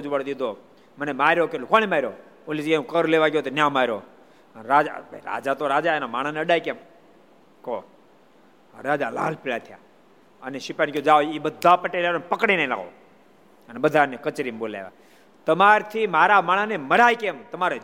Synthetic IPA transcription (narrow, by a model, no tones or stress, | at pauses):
d͡ʒʋəɽd̪id̪ʱo | mənemaɾokelokoñemaɾo | olid͡ʒɡeũkəɾleʋaɡjot̪onʲãmaɾoː | ənɾad͡ʒa̰ɾa̰d͡ʒat̪oɾad͡ʒaenamaːɽ̃aneəɖaːjkem | ko | ɾad͡ʒala̰ːlpiɭat̪ʰja̰ː | əneʃɪpankʲjod͡ʒaoibəd̪ʱːapəʈeleonpəkɽenẽĩla̰ɡo̰ | ənebəd̪ʱanekət͡ʃɾimbola̰eʋa̰ | t̪əmaɾt̪ʰimaːɾamaɽ̃aneməɽajkemt̪əmaɾ